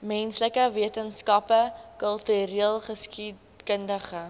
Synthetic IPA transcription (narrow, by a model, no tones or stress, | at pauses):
mɛnsləkəviətənskɐpəkœlˠtyɾiəlˠχəski | kəndəχə